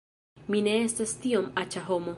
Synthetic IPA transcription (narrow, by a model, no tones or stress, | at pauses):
mine̞estastio̞mat͡ʃaɦo̞mo̞